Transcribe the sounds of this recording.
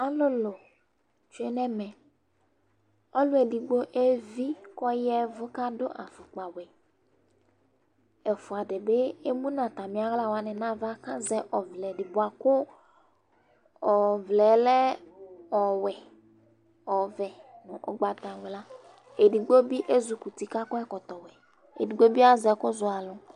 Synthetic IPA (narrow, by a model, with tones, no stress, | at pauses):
a˨lʊ˦lʊ˨ | t͡ʃu˦e˦nɛ˦mɛ˨ | ɔ˦lʊ˦e˨di˨ɡ͡bo˦ʔe˦vi˦kɔ˦jɛ˦vʊ˦ka˦dʊ˦ʔa˨fʊ˨k͡pa˨wɛ˨ | ɛ˨fʊ˨a˨dɛ˨be˦e˦mũ˦nã˨ta˨mi˨˦a˦ɣla˦˨wa˨nɛ˨nã˦va˦ka˦zɛ˦ʔɔ˨vlɛ˨dɪ˨bʊ˨a˨kʊ˦ | ɔ˨vlɛ˨lɛ˦ɔ˨wɛ˨ | ɔ˨vɛ˨nʊ˨ʔɔ̰˨ɡ͡ba˨ta˨wɛ˨la˦ | e˨di˨ɡ͡bo˦bi˦ʔe˦zu˨ku˨ti˨ka˦kɔ˦ɛ˦kɔ˨tɔ˨wɛ˨ | ḛ˨di˨ɡ͡bo˦bi˦a˦zɛ˨kʊ˦zʊ˨a˨lʊ˨